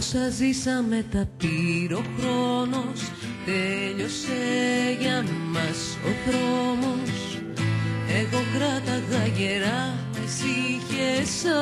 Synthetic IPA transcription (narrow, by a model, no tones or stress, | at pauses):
sɐzisɐme̞t̪ɐpiɾo̞xɾo̞no̞s | t̪e̞ʎo̞seʝɐmɐs | o̞̰θɾo̞mo̞s | e̞ɣo̞ɡɾɐt̪ɐɣɐʝeɾɐ | isiçesɐ